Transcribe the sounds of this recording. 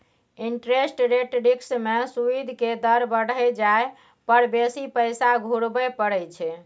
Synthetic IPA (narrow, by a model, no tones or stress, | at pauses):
iɳʈɾesʈɾeʈɾiksmesuid̪ʱked̪əɾbəɽ̤ɛjd͡ʒae | pəɾbesipəjsaɡʱuɽbɛpəɽɛjt͡ʃʰɛ